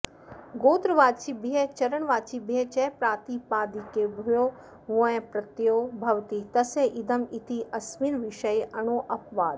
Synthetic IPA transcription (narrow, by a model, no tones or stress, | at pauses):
ɡoːt̪ɾʋaːd̪̚t͡ɕibiɦet͡ɕɐɾəɽ̃ʋaːt͡ɕibiɦet͡ɕɛːpɾaːt̪ipaːd̪ikebʱʊjoː | ɦuẽpɾɐt̪joːbʱɐʋt̪it̪ɐseʔɪd̪əmɪt̪ʰiʔɐsmiːnʋɪʃəjɐɽ̃oːʔɐpʋaːd̪